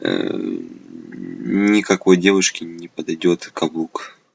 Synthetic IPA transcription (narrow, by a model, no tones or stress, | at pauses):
nʲɪkɐko̞jdʲe̞vʊʂkʲɪnʲɪpəd̪ɐjdʲo̞t̪kɐbuk